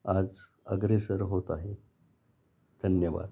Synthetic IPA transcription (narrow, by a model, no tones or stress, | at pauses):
ad͡z | ə̰ɡɾesəɾɦot̪aɦe | d̪ʱənjəʋa̰d̪